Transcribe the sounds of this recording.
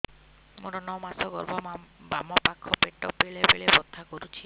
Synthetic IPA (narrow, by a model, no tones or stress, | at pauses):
moʈɔnɔmasɔɡɔɾbʱɔbamɔpakʰːɔpeʈɔpeɭebeɭebɔd̪ʱːakɔɾut͡ʃʰi